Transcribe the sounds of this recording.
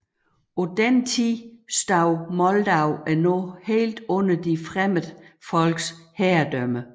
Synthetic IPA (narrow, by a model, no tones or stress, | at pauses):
ɒd̥ent͡sʰisd̥ɑ̈ʊmɒ̽ld̥ɑ̈ʊ̰æɐnɔhe̝̰ːld̥ɔn̰ɐd̥ifʁaməð̩ˠfɒ̽l̰ɡ̥shɛɐd̥œmə